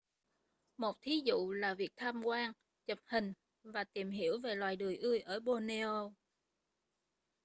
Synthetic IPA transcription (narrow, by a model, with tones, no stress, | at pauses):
mo˨˩t̚t̪ʰi˨˦zṵ˧˨laː˨˩vi˨˩ək̚t̪ʰaː˧mkwaː˧ŋ | t͡ɕə˨˩p̚hï˨˩ŋ̟ | vaː˨˩t̪i˨˩əmɦi˧˥əwve˨˩lwaː˨˩jɗɨ˨˩əjʔɨ˧jʔəː˧˩ɓo˧ne˧o˧